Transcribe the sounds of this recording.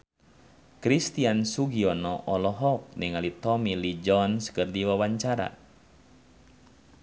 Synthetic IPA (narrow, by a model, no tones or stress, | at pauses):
kɾist̪iansuɡiɔnɔʔɔlɔɦɔk̚niŋalit̪ɔmilid͡ʒɔnsə̥kərdiwawaɲt͡ʃaɾa̰